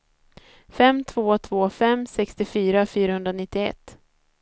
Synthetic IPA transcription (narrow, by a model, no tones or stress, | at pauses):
fɛmt̪ʰvoːt̪ʰv̥oːfɛmːsɛkst̪ɪfyːɾafyːɾahɵnd̪ɾanɪt̪ːɪɛ̰t̪ː